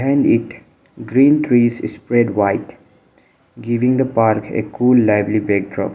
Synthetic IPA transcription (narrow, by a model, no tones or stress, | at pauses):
ɦãɪ̃ɳɖɪʈ | ɡɾĩːnt̪ʰɾiːzɪspɾɛɖʋaɪʈ | ɡɪʋɪ̃ŋd̪əpaːɾkḛkʰuːlːaɪbɾibɛk̚ɖɾɔ̰ːp